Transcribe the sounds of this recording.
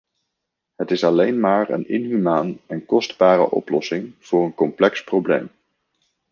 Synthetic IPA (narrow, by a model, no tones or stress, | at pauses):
ɦətɪsɑlejnmaːɹə̰nɪ̰nɦymaːnɛnkɔsdbaːɾə̰ʔɔ̰plɔsɪŋv̥ʊːrənkɔmplɛksprowblḛjm